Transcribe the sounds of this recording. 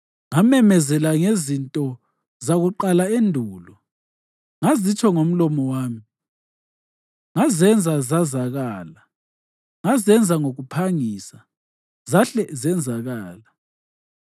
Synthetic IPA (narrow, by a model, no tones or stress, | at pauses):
ŋamɛmɛzɛlaŋezintʼɔ | zaɣuǃalaendʱuːlɔ | ŋazit͡ʃʰʼɔŋom̩lɔmɔwaːmi | ŋazɛnd͡zʱazazaɣaːla | ŋazɛnd͡zʱaŋoɣupʰaŋisa | zaɬɛzɛnd͡zʱaɣaːla